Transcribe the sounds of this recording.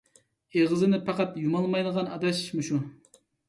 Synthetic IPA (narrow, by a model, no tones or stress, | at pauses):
eʁɨzɨnɪpʰɑqɑt̪jumɑlˠmɑjd̪əʁɑnɑd̪ɑʃmuʃu